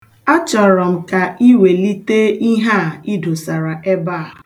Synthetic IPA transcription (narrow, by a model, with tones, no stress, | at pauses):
a˦t͡ʃɔ˨ɾɔ˨m̩˨ka˨i˦we˨li˦te˦i˦ɦa˦˨i˦do˨sa˨ɾa˨ʔe˦ba˦˨